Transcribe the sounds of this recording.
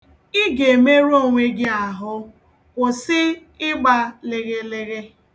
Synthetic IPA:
ɪ˦ɡe˨me˦ɾu˦o˦˨ŋʷe˦ɡɪ˦a˨ɦʊ˦ | kʊ˨sɪ˦ | ɪ˦ɡ͡ba˦lɪ˨ɣe˦lɪ˦ɣe˦

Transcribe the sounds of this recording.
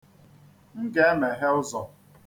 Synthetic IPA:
ŋ̩˦ke˦me˨ɦe˦ʊ˦zɔ˨

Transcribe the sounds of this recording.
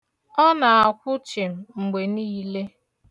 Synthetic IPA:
ɔ˦na˨a˨kʷʊ˦t͡ʃɪ˨m̩˨ŋ͡m̩˨ɡ͡be˨niː˦le˦

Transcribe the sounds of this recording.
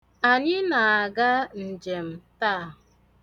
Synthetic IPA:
a˨ɲɪ˦na˨a˨ɡa˦n̩˨d͡ʒe˨m̩˨ta˦˨

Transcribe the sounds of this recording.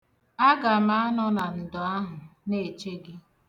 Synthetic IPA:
a˦ɡa˨ma˦nɔ˦na˨n̩˨dʊ˨a˦ɦʊ˨ne˨t͡ʃe˦ɡɪ˦

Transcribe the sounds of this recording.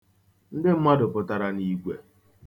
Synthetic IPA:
n̩˦dɪ˦m̩˦ma˦dʊ˨pʊ˦ta˨ɾa˦ni˦ɡʷḛ˨

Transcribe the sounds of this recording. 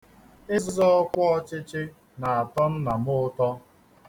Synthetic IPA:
ɪ˦zɪ˦zɔ˦ɔ˦kʷɔ˦ɔ˦t͡ʃɪ˦t͡ʃɪ˦ | na˨a˨tɔ˦n̩˦na˨mʊ˦tɔ˦

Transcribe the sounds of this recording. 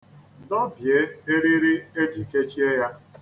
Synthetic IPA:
dɔ˦bje˦e˦ɾi˦ɾɪ˦e˦d͡ʒi˨ke˦t͡ʃi˦e˦ja˦

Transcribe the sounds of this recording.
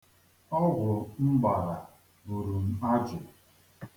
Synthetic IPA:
ɔ˦ɡʷʊ˨m̩˦ba˨ɾa˨ | bu˨ɾu˨m̩˨a˦d͡ʒʊ˨

